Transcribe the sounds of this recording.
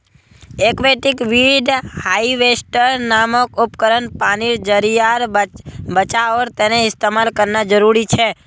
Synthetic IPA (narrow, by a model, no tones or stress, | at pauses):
ekʋeʈikʋiɖhaiʋesʈəɾnaməkupkəɾənpaniɾd͡ʒəɾijaɾbət͡ʃaəɾt̪eneɪst̪emalkəɾnad͡ʒəɾuɾit͡ʃʰe